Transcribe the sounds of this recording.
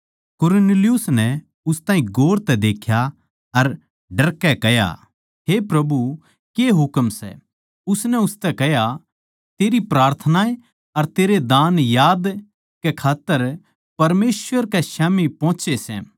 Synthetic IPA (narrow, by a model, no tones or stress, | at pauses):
kʊɾneːlijʊsnɛ | ʊst̪aːĩɡoːɾt̪ɛd̪eːkʰja | ɐɾ | ɖɐɾkɛkɛja̰ | ɦepɾɐbu | keɦʊkəmsɛ̰ | ʊsnɛʊst̪ɛkɛja | t̪eːɾipɾaːɾt̪ʰənae | ɐɾt̪eːɾed̪aːnjaːd̪ | kɛkʰaːt̪ːəɾ | pɐɾmeːsʋəɾkɛʃaːmipɔ̃ːt͡ʃesɛ̰